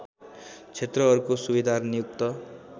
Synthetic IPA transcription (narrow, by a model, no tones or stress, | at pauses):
t͡sʰet̪rʌʌɾukosubid̪arnijuk̚t̪ʌ